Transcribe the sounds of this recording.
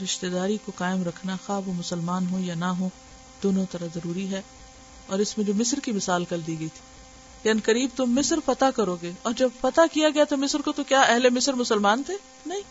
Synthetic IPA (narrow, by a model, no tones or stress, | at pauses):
ɾɪʃt̪ed̪aːɾikokaːɪmɾɐkʰnaxaːʋomʊsəlmaːnɦojanɐɦo | d̪̥oːnõt̪ɐɾazɐɾuːɾiɦɛː | ɔːɾɪsmẽd͡ʒoːmɪsɾkimɪsaːlkɐld̪iːɡɐit̪ʰi̥ | kɐnkɐɾiːb̚t̪omɪsɾfɐt̪akɐɾoːɡeɔːɾd͡ʒɐbfɐt̪akijaɡɐjat̪omɪsɾkot̪okjaːɛɦlemɪsɾmʊsəlmaːnt̪ʰeː | nɐɦĩː